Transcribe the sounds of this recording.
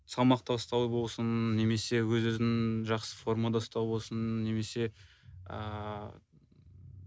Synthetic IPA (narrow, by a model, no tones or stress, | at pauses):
sɑmɑqt̪ɑəst̪ɑwbo̞lˠsənːe̞me̞se̞wɵzɵzɪŋʒɑqsəfo̞ɾmad̪ɑʊst̪ɑwbo̞lˠsənːe̞me̞se̞ | ə̰